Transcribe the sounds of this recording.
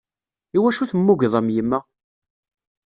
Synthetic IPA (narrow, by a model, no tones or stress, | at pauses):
iwæʃuθəmːuʝðˤəmjəmːæ